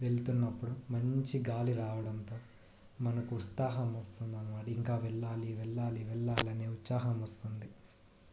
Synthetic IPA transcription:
ʋe̞ɭt̪unːɐpːuɽumɐɲt͡ʃiɡaːliɾaːʋɐɽɐnt̪o̞ː | mɐnɐkut̪aːɦɐmɐst̪und̪ɐnɐʋaːɽiiŋkaːʋɛɭːaːliʋɛɭːaːliʋɛɭːaːlɐneːut̪saːɦɐmɐst̪und̪i

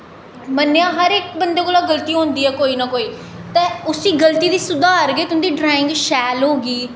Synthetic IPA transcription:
mənːejãːɦəɾɪk̚bənd̪eːkoːlaːɡəlt̪iːɦõnd̪iːɦɛːkoːiːnaːkoːiː | t̪ẽːʊsiːɡəlt̪iːd̪iːsʊd̪aːəɾɡeːt̪ʊnːd̪iːɖɾaːɪ̃ŋɡʃɛːlɦoːɡiː

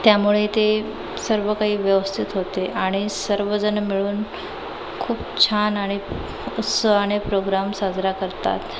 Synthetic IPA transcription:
t̪jamuɭet̪e | səɾʋəkaɦiːʋjəʋəst̪ʰit̪ɦot̪eʔaɽ̃isəɾʋəd͡zənmiɭuːn | kʰuːpt͡ɕʰanaɽ̃i | ut̪səʋañepɾoɡɾamsad͡zʱɾakəɾt̪a̰t̪

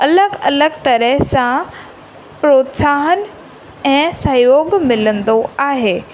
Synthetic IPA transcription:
ɐləɡɐləɡt̪ɐɾəɦsã | pɾoːt̪saːɦən | ɛ̃ːsɐjoːɡmɪlə̃nd̪oaːɦeː

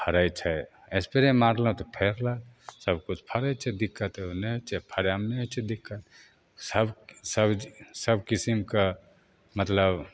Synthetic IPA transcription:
pʰəɾəjt͡ʃʰɛ | espeɾẽmaːɾlat̪opʰeːɾlasəbkut͡ʃʰpʰəɾət͡ʃʰɛd̪ɪkːət̪enet͡ʃʰɛpʰɐɾjamnet͡ʃʰɛd̪ɪkːət̪ | səbsəbsəbkisimka | mət̪ləb

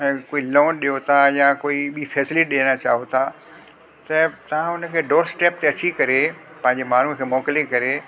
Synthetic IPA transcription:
ɛ̃koːiloːnɗijot̪ʰajakoːiɓifʰɛːsɪlɪʈɗeːnat͡ɕa̰ːɦot̪ʰaː | t̪ɐt̪ɐʋ̤ãʊnə̆kʰeːɖoːɾsʈeːp̚t̪eɐt͡ɕikɐɾe | pɐ̃ɦɪ̃ɲd͡ʑemaːn̤ukʰeːmɔːkɪlekɐɾe

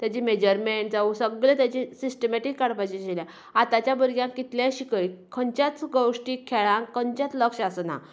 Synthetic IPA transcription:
t̪jat͡ɕimed͡ʑəɾmeɳʈd͡zausəɡɭet̪jat͡ɕĩsisʈəmeʈikːaɽpat͡ɕid͡ʑeljã | at̪at͡ɕjabəɾɡjãŋkːit̪ljãɕikəjkʰəɲt͡ɕat͡sɡəwʂʈikʰeɭãŋkə̃ɲt͡ɕjat͡s̪ləkʂasna̰

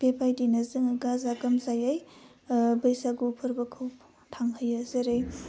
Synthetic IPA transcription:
pepʰajdinɐzɯŋɡazaɡɐmzajaj | bɐjsaɡupʰɐɾbɐkʰɯw | tʰaŋhəjazeɾɯj

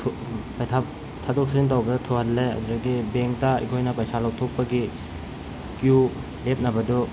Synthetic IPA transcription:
tʰ | pɐjtʰa | tʰadok̚siŋt̬awbɐdatʰohɐlːeɐ̰duɾɐɡibeŋk̚taḭkʰojnɐpɐjsalawtʰok̚pːɐɡi | kju | lep̚nɐbɐdu

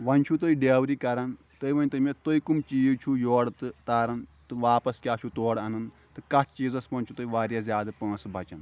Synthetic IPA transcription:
ʋɐnʲt͡ʃʰut̪oiɖeːʋɾiːkɐɾɐn | t̪ɨiʋɐnt̪ɨmʲet̪oikumt͡ʃiːt͡ʃʰujoːɽt̪ɨt̪aːɾɐnt̪ɨʋaːpɐskʲaːt͡ʃʰut̪oːɽɐnɨn | t̪ɨkɐt̪ʰt͡ʃiːzɐsʋɐnʲt͡ʃʰut̪oiʋaːɾjazʲjaːd̪ɐpə̃ːsbʱɐt͡ʃɐn

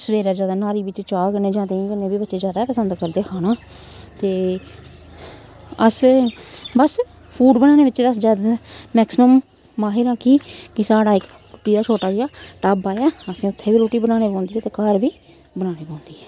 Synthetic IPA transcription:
səʋeːɾaːd͡ʒjaːd̪aːnaːɾiːbɪt͡ʃt͡ʃaːkəneːd͡ʒãːd̪ẽkənːeːbiːbətːʃeːd͡ʒjaːd̪aːpəsənd̪kəɾd̪eːkʰaːnaː | t̪eː | əs | bəs | pʰuːɖbənaːñeːʋɪt͡ʃ̪ːəsd͡ʒaːd̪mɛːksɪməmː | aːɦɪɾãːkʰiːkɪsaːɽaːɪk | ɾʊʈiːd̪aːt͡ʃʰoːʈaːd͡ʒaːʈaːbaːjaːəsĩːʊt̪ʰːeːʋiːɾoːʈiːbənãːneːpãːnd̪iːɛːt̪eːkaːɾʋiː | bənaːneːpõːnd̪iːɦɛː

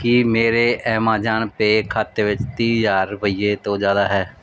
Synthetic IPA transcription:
kimeːɾeʔɛːmãːd͡ʒaːnpekʰaːt̪ːeʋɪt͡ʃt̪iːjaːɾbəɪjet̪õd͡ʒaːd̪aːɦɛː

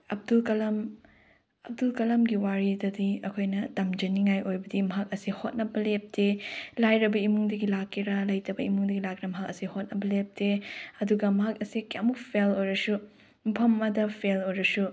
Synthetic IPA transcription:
ɐb̚dulkɐlɐm | ɐp̚dulkɐlɐmɡiwaɾidɐdiɐkʰojnɐtɐmd͡ʒɐniŋajʔojbɐdimɐɦak̚ɐsihot̚nɐbɐlep̚tʰelajɾɐbɐimuŋdɐɡilakʰːiɾɐlɐjtɐbɐimuŋdɐɡilak̚iɾɐmɐɦak̚ɐsihot̚nɐbɐlep̚teɐduɡɐmɐɦak̚ɐsikamupʰelojɾɐsu | mpʰɐmːɐdɐpʰelojɾɐsu

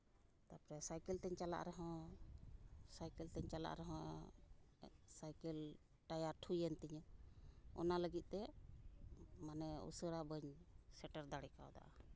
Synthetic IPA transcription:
t̪apɾɛsajkəlt̪ɛɲt͡ʃala̰ʔɾɛɦɔ̃ | sajkɛlt̪ɛɲt͡ʃala̰ʔɾɛɦɔ̃ | sajkəl | ʈajaɾʈʰujənt̪iɲ | ɔ̰naləɡit̪̚ˀt̪ɛ | manɛṵsəɽabəɲsɛʈəɾd̪aɽɛkaɔ̰d̪a̰ʔa

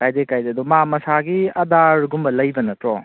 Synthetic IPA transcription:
kajdekajdeɐd̪umamɐsaɡiɐdaɾɡumbɐlɐjbɐnɐtɾɔ

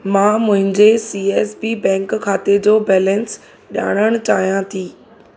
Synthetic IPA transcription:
mãːmʊ̃ɦɪ̃ɲd͡ʑesiːeːsbibɛ̃ːŋkkʰːaːt̪ed͡ʑoːbɛːlɛ̃ns | ɗa̰ːɽ̃əɽ̃t͡ɕaːɦijãt̪ʰiː

